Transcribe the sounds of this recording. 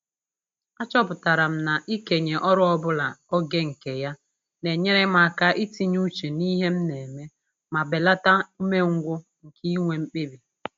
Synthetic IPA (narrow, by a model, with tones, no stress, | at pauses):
a˦t͡ʃɔ˦pʊ˨ta˨ɾa˨m̩˦na˨ʔi˦ke˨ɲe˨ʔɔ˦ɾʊ˦ɔ˦bʊ˦la˨ɔ˦ɡe˦ŋ̩˨ke˨ja˦ | ne˨ɲe˦ɾe˦m˦a˨ka˦ʔi˦ti˦ɲu˦t͡ʃe˨ni˦ɦe˦m̩˦ne˨me˦ | ma˨be˨la˦ta˦u˦me˦ŋ̩˦ɡʷʊ˦ | ŋ̩˨kʰi˦ŋʷe˨m̩˦k͡pi˦bi˨